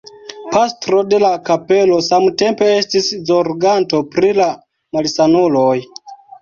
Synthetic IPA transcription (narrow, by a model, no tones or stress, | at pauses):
pastɾo̞de̞lakape̞lo̞samte̞mpe̞estiszoɾɡanto̞pɾila | malisanuloj